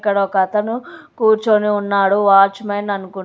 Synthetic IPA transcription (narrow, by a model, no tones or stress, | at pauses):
kːɐɽɐɔkɐt̪ɐnukuːɾt͡ʃoniunːaːɽuʋaːɾt͡ʃmeːnɐnukun